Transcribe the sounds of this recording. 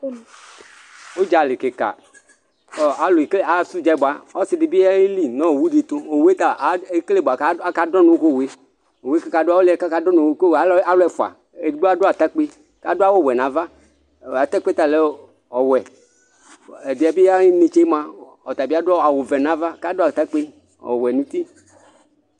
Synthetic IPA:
wo˦d͡ʒa˨li˨ke˨ka̰˨ | ɔ˨a˨lo˨kle˦a˨˦su˦d͡ʒa˨˦bo˨a˨ɔ˦si˨di˨bi˦a˦i˦li˦nɔ̃˦o˨wu˦ɖi˨t̪o˦o˨we˦t̪a˨e˦kle˦˨bo˨a˨ka˦a˦ka˦dɔ˦nũ˨˦ko˦we˦ | o˨wka˦ka˨do˦a˦wo˦le˦˨ka˦ka˦dɔ˦nũ˨˦ko˦wa˨˦a˦lo˦ɛ˨fo˨a̰˨ | e˨di˨˦ɡ͡be˦a˦˨ɖo˦a˨t̪a˦k͡pe˦ | ka˦do˦a˦wo˦˨wɛ˨nã˨va˦˨ | a˨t̪a˦k͡pe˦t̪a˨le˨ | ɔ˨wɛ˨ | e˨di˨a˨bi˦ja˦i˦nẽ˨t͡ʃe˦mã˦ | ɔ˨t̪a˨bi˦a˦do˦a˨wo˨vɛ˨nã˨va˦ka˦do˦a˨t̪a˦k͡pe˦ | ɔ̰˨wɛ˨nũ˦t̪i˦

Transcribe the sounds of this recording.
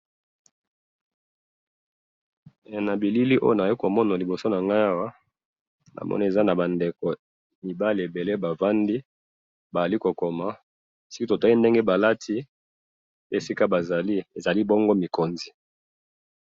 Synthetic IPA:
e˨na˨bi˨li˦li˦ʔo̰˦jo˦na˨˦i˦ko˨mɔ˦na˨li˨bo˨so˦na˨ŋɡa˦ja˦wa˦ | nʔa̰˨mɔ̰˦ni˦e˨za˦na˨ba˨nde˨ko˨ | mi˨ba˦li˨e˨be˨le˦ba˨va˦ndi˦ | ba˨a˨li˦ko˨ko˨ma˨ | si˦ki˦to˨ta˦i˦nde˦ŋɡe˦ba˨la˦tʰi˦ | pe˦e˨si˦ka˦ba˨za˨li˦e˨za˨li˦bɔ˦ŋɡo˦mi˨ko˨nzi˨

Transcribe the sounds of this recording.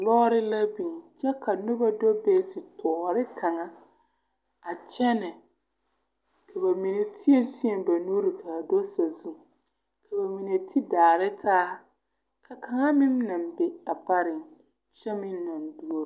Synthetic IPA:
lɔː˦ɾɪ˦la˦bi˨ŋt͡ʃɛ˦ka˨nʊ˦ba˦dɔ˦bɛ˦sɪ˨tʰɔː˨ɾɪ˦kʰa˨ŋa˦ | a˨t͡ʃɛ˦nɪ˨ | kʰa˨ba˨mi˨ne˨tʰi˦e˦nsɪ˦ɛ˨m˨ba˨nu˦ɾɪ˨kʰa˨a˨dɔ˦sa˨zu˦˨ | kʰa˨ba˨mi˨ne˨tʰi˦daː˨ɾɪ˦tʰaː˦ | kʰa˨ka˨ŋa˦mɪ˦m˦na˨mbɛ˦a˨pa˦ɾɪ˨ŋ | t͡ʃɛ˦mɪ˦m˦na˨n˨du˦o˦ɾ

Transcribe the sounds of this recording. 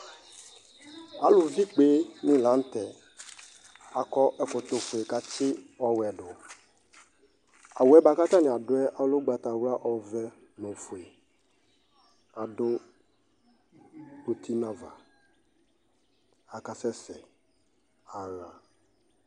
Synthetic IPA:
a˨lʊ˨vi˦k͡pe˦nɪ̃˦lã˨˦n̩˦tɛ˨ | a˨kɔ˦ʔɛ˦kʊ˨t̪ʊ˨fʊ˨e˨ka˨t͡ʃɪ˦ɔ˦wɛ˨dʊ˨ | a˨wɛ˦ba˨ka˦t̪a˦nɪ̃˨a˨dʊ˦ɛ˦ʔa˨lʊ˦ɡ͡ba˨ta˨wa˦ʔɔ˨vɛ˦ | nõ˨fʊ˨e˨ | a˨dʊ˦ | to˨tʰi˦nã˦va̰˨ | a˨ka˨sɛ˦sɛ˨ | a˨ɣa˨

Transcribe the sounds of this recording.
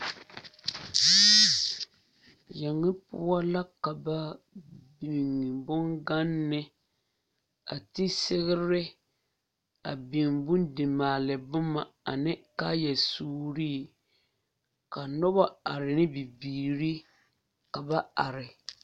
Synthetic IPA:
jɛ˨ŋːɪ˦pʊ̰˦a˦la˦ka˨ba˦bi˨ŋ˨bʊ˦ŋɡa˦nːɪ˦ | a̰˨ti˦sɪ˦ɣɪ˦ɾɪ˦ | a̰˨bi˨ŋbʊ˦ndɪ˨maː˨lɪ˨bʊ˦ma˨a̰˨nɪ˦kaː˦jɛ˨suː˦ɾiː˦ | ka˨nɔ˦ba˦a˨ɾɪ˨nɪ˦bi˨biː˨ɾi˦ | ka˨ba˦a˨ɾɪ˨

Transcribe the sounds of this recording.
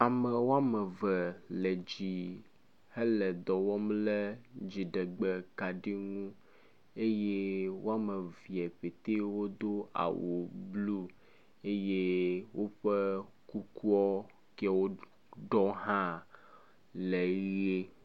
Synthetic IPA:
a˨mɛ˨wo˦a˦mɛ˨vɛ˨lɛ˨d͡ʑi˨ | he˦lɛ˨d̪ɔ˨wɔ˦mlɛ˦d͡ʑi˨ɖɛ˨ɡ͡bɛ˨ka˨ɖi˦ŋũ˦ | e˦je˦wo˦a˦me˨vi˨ɛ˨ɸe˨t̪e˦wo˦d̪o˦a̰˨wo˨blu˦ | e˦je˦wo˦ɸe˦ | ku˦ku˦ɔ˦ | kɛ˦wo˦ | ɖɔ˦ɦã˦ | le˨ɣje˦

